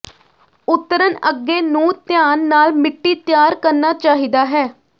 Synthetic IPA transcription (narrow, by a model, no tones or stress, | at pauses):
ʊt̪ːəɾənəɡːeːnũːt̪jaːnːaːlmɪʈːiːt̪jaːɾkəɾnaːt͡ʃaːɦiːd̪aːɦɛː